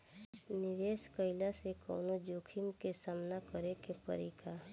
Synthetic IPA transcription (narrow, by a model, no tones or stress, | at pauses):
nɪʋeːskəɪlasekɔ̰ːnod͡ʒoːkʰimkesaːmnakəɾekepə̰ɾiːkʰa